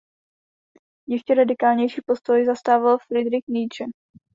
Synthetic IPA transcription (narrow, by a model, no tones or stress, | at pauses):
jɛʃcɛɾadɪkaːlɲɛjʃiːpo̞st̪o̞jzast̪aːvalfɾɪd̪ɾɪxnijt͡ʃɛ